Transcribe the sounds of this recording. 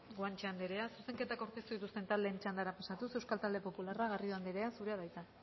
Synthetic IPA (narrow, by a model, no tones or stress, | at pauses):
ɡoant͡ʃeand̪eɾeasuse̞ŋke̞t̪akoɾk̪est̪uðit̪ust̪e̞nt̪ald̪e̞ːnt͡ʃand̪aɾapasat̪usewskalt̪ald̪e̞po̞pularaɣ̞arioand̪eɾe̞asuɾeaðajt̪a